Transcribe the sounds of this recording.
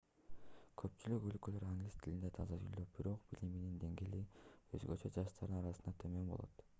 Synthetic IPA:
kʰø̞pt͡ʃylykølkølø̞ɾaŋɡlʲist̪ʰilind̪et̪ʰɑzɑd͡ʒyløp̚biɾo̞qb̥iliminind̪e̞ŋɡeːliøzɡøt͡ʃø̞d͡ʒɑʃt̪ɑɾd̪ɯnɑɾɑɯnd̪ɑt̪ʰømø̞mbo̞̰lˠo̰t̪

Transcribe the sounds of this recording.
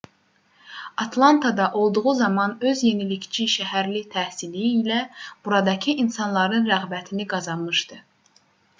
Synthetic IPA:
ɑt̪ʰlˠɑnt̪ʰɑd̪ɑʔo̞lˠd̪uʁuzɑmɑnø̞zje̞nilict͡ʃʰiʃæɦæɾlit̪ʰæhsilijiːlæb̥uɾɑd̪ɑcʰɯʔinsɑnlˠɑɾɯnɾæɣbæt̪ʰiniɡɑzɑnmɯʃd̪ɯ

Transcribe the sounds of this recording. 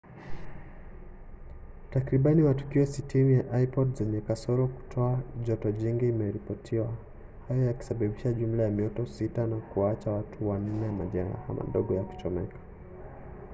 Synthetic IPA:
takɾiɓanimatu̥kiɔsitʰinijaʔaipɔdzɛɲɛkasɔɾɔku̥tʰɔaʄɔtɔʄiŋɡiːmɛɾipɔtʰiwa | hajɔjaki̥saɓaɓiʃaʄum̩lajamiɔtɔsitanakuwaat͡ʃawatʰuwan̩nɛjamaʄaɾa̰ha̰ma̰ɗɔɡɔjaku̥t͡ʃɔmɛkḁ

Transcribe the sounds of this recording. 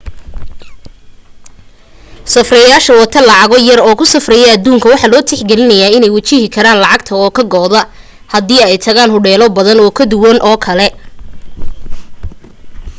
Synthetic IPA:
sɐfrɛjaːʃɐwɐt̪ʰɐlɑʕɑɣɔjɐrɔːkʰʊsɐfrɛjɛɐd̪uːŋkʰɐwɑħɑːlɔːt̪ʰɪħɡɛlɪnɐjaːɪnɛjwɐt͡ʃɪhɪkʰɐɾaːnlɑʕɑɡt̪ʰɐɔːkʰɐɡɔːðɐ | hɐðiːɛjt̪ʰɐɣaːnɦʊɖɛːlɔbɐðɐnɔːkʰɐd̪ʊwɐnʔɔːkʰɐlɛ

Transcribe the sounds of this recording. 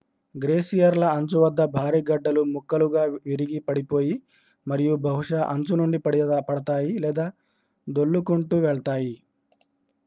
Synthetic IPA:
ɡɾeːsijɐɾlɐɐɲt͡ʃuʋɐd̪ːɐbʱaːɾiːɡɐɖːɐlumukːɐluɡaːʋiɾiɡipɐɽipo̞ːji | mɐɾijubʱɐɦuʂɐʔɐɲt͡ʃunuɳɖipɐɽpɐɽɐt̪aːjilɛːd̪aː | d̪oɭːukuɳʈuʋɛɭɐt̪aːji

